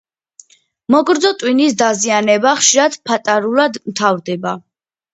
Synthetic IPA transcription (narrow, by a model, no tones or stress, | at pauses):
mɔɡɾd̪zɔt̪ʼwinisd̪azianɛbaχʃiɾad̪pʰat̪ʼaɾulad̪mt̪ʰavɾd̪ɛba